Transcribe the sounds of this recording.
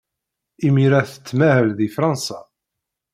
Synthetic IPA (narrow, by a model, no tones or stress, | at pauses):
imiɾæθə̥t͡sːmæhəlðifɾˤɑnsa